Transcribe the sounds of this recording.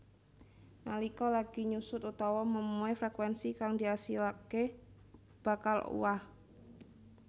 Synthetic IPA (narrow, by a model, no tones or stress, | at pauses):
nalikɔlaɡ̥iɲusʊt̪ut̪awɔməmuefɾɛkwɛnsikaŋdiasilake | b̥akalṵwah